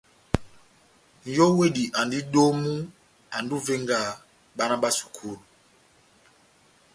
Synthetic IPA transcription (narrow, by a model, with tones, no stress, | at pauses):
n̩˨jɔ˦we˦˨di˨ʔa˨ndi˦ɗo˦mu˦ | a˨ndu˦ve˦ŋɡa˦˨ | ɓa˦na˦ɓa˦su̥˨kʰu˦˨lu˨